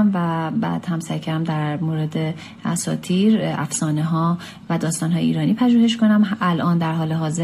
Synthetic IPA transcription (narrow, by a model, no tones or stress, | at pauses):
mvæbæ̰ːd̪̥hæmsæɾcʰæɾæmd̪æɾmoːɾed̪e | æ̰sɒ̰ːt̪ʰiːɾæ̰fsɒːneɦɒː | væd̪ɒːst̪ɒːnɦɒːjeḭɾɒːniːpʰæʒuːhe̞ʃ̬ko̞næmælʔɒːnd̪æɾɦɒːleɦɒːze